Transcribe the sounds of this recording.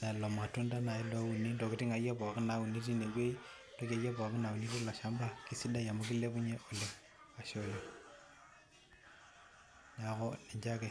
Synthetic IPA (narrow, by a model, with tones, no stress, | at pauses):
na˨lo˨ma˨tu˦nda˦na˨i˦la˦u˨ni˦ndo˨ki˨ti˦ŋa˨ja˦pa˨ki˦na˨u˨ni˦t̬i˦ne˨ɡwe˦i˦ndo˦ka˨˦ja˦ba˨ki˦na˨u˨ni˦tu˦la˨ʃa˦mba˦ki˦si˦da˦ja˨mu˦ki˦le˦pu˦ɲe˦ʔo˨le˨ | ka˨ʃo˦li˨ | ɲa˨˦kɔ˦ni˨ɲd͡ʒa˦ke˦